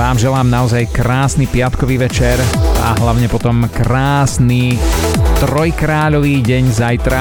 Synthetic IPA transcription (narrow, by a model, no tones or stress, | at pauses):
ʋaːmʒɛlaːmnaɔzajkɾaːsnipɪat̪kɔʋiːʋɛt͡ʃɛɾa̰ɦlaʊɲɛpɔt̪ɔmkɾaːsni | t̪ɾɔjkɾaːʎɔʋiːɟɛɲzajt̪ɾa